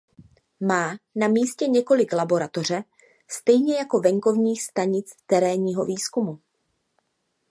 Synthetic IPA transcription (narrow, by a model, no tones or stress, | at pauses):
maːnamiːscɛɲɛko̞lɪklabo̞ɾat̪o̞r̝ɛ | st̪ɛjɲɛjako̞vɛŋko̞vɲiːxst̪aɲɪt͡st̪ɛɾɛːɲiːɦo̞viːskumu